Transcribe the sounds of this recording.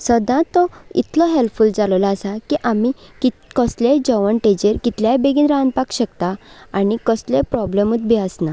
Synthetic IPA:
səd̪ãt̪ːɔḭt̪ʰlɔɦelpfuld͡zalɔlaːsakiʔamikikəsled͡ʑəʋənʈẽd͡ʑeɾkit̪ljajbeɡiːnɾãnpakɕəkt̪aːñikəslẽpɾɔblemut̪̚bʱiəsna

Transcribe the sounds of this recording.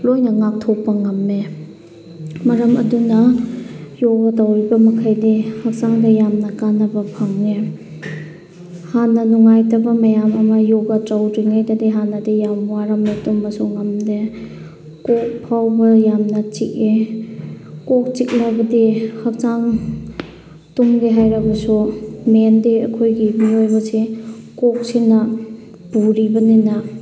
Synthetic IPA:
lojnɐŋak̚tʰɔpːɐŋɐmːe | mɐɾɐmɐ̰dunɐ | jɔɡɐtawɾibɐmɐkʰajdihɐk̚saŋdɐjamnɐkanɐbɐpʰaŋːe | hanːɐnuŋajtɐbɐmɐjamɐmɐjɔɡɐtawɾiŋajdadiɦanɐdijamwaɾɐmletumːɐsuŋɐmde | kɔk̚pʰawbɐjamnɐt͡ʃik̚e | kɔk̚t͡ʃik̚lɐbɐdihɐk̚t͡ʃaŋ | tumɡeɦajɾɐbɐsumendiɐ̰kʰojɡimiojbɐse | kɔk̚sinɐ | b̥uɾibɐninɐ

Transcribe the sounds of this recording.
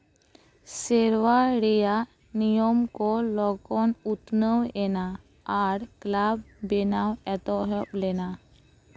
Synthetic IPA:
sɛɾwaɽɛja | nijɔmkɔlɔɡɔnut̪nəwɛnaː | ɾklabbɛnawɛt̪ɔɦɔplɛna

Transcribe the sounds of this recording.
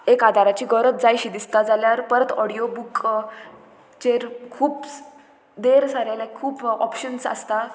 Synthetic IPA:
ekad̪ʱaɾat͡ɕiːɡəɾət̪d͡zajɕid̪ist̪ad͡zaljaɾpəɾət̪ɔɽijobuk | t͡ɕeɾkʰuːp | d̪eɾsaɾjalekʰuːpɔpɕənsə̰st̪a

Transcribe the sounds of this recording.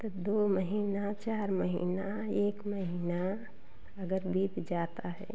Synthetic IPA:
t̪od̪oːməɦiːnat͡ʃaːɾməɦḭːna | eːkməɦiːna | əɡəɾbʱiːt̪d͡ʒaːt̪aɦɛ̰ː

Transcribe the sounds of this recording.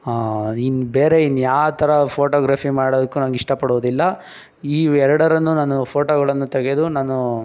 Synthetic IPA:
aːinubeːɾeinːjaːt̪ʰɐɾɐpʰoːʈoːɡɾaːfimaːɽod̪ɐkːunɐnɐɡiʂʈɐpɐɽuʋd̪ilːɐ | iːɛɾɐɽɐɾɐnːunaːnupʰoːʈoːɡɐɭɐnːut̪ɐɡe̞d̪unaːnu

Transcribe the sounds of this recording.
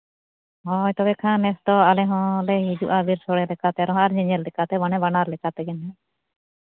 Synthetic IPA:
ɦɔjt̪ɔbɛkʰanɛst̪ɔalɛɦɔ̃lɛɦid͡ʒuʔabiɾsɔɽɛlɛkat̪ɛɾɔɦɔ̃aɾɲɛɲɛllɛkat̪ɛbanɛbanaɾlɛkat̪ɛɡɛnɛ

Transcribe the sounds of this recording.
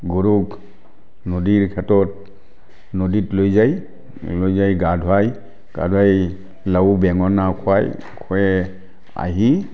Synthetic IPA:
ɡuɾuk | nodiɹkʰɛtɔt̚ | noditlojzaj | lojzajɡadʱwaj | ɡ̥a̰dʱwaj | lawbɛŋɔnakʰɔaj | kʰɔɛ | a̰ɦi

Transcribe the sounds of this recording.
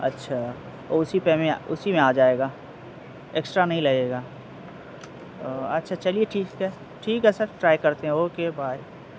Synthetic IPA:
ɐ̰tːʃʰaː | ɔːɾʊsipɛmẽa̰ʊsimẽaːd͡ʒaːeːɡaː | eːksʈɾanɐɦĩlɐɡeːɡaː | ɐtːʃʰat͡ʃɐlieʈʰiːkɛ | ʈʰiːkɦɛsɐɾʈɾaːikɐɾt̪eɦɛ̃ɦoːkebʱaːi

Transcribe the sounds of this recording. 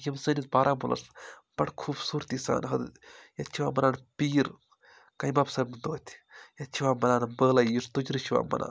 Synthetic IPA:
jɐmsəːnit̪̚baːɾʔaːbulɐ̰s | b̥ɐʈkʰuːbsuːɾt̪isa̰ːnɦɐd̪jɐt͡ʃʰiʋaːmɐnaːnpiːɾ | kɐjbaːbsɐnmɨnd̪oːt̪ʲʰjɐt͡ʃʰiʋaːmɐnaːnbəːlaist̪ud͡ʒɾɨʃʰiʋa̰ːmɐ̰nʔa̰ː

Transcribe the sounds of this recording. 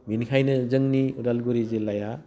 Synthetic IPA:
minkʰajnɯzɯŋniuɾalɡuɾizelaja

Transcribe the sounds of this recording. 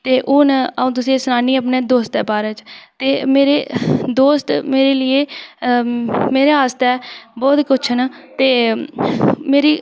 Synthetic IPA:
t̪eːʔʊːnəũːt̪ʊsĩːsʊnaːniːəpneːd̪oːst̪ɛːpaːɾẽːt͡ʃt̪eːmeːɾeːd̪oːst̪meːɾeːlɪeː | meːɾeːaːst̪ɛːbɔːt̪kʊt͡ʃʰnaːt̪eː | meːɾiː

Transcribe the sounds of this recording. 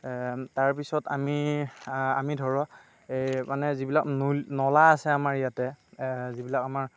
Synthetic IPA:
taɹpisɔtami | amidʱɔɹɔ | manɛzibilak̚nunɔlaːsɛamaɹijatɛzibilakamaɹ

